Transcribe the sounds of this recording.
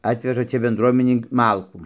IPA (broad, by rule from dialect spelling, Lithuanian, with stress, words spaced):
ˈɑːtʲʋʲɛʒɐ ˈt͡ʃʲɛ bʲɛnˈdruɔmʲɪnʲɛɪ ˈmɐlˠkuː